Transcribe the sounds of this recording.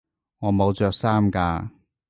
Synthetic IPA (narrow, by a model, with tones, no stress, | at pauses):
ŋɔː˨˧mo˨˧wt͡ʃœː˨k̚saː˥mkaː˧